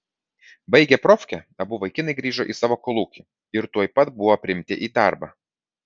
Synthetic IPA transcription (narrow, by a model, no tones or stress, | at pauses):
bɐɪɡʲɛpɾɔfʲkʲɛɐbʊʋɐɪkʲɪnɐɪɡɾʲiːʒoʔiːsɑːʋoːkɔlˠuːkʲi | ɪɾt̪uɔjpɐt̪bʊʋoːpʲɾʲɪmʲt̪ʲɪʔiːd̪ɑˑɾbɑː